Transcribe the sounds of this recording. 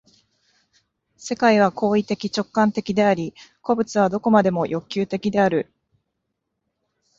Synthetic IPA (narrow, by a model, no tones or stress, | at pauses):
se̞kaiβ̞akʰo̞ːit̪e̞kʲit͡ɕo̞kːãnt̪e̞kʲid̪e̞aɾʲiko̞bɯ̟t͡sɨβad̪o̞ko̞mad̪e̞mo̞jʔo̞kʲːɨːt̪e̞kʲid̪e̞aɾɯ̟